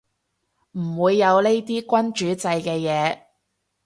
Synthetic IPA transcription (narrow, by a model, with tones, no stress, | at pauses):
m̩˨˩wuː˨˧jːɐ˨˧wle˥jt̪iː˥kʷɐ˥nt͡ʃyː˨˥t͡sɐ˧jkɛː˧jɛː˨˧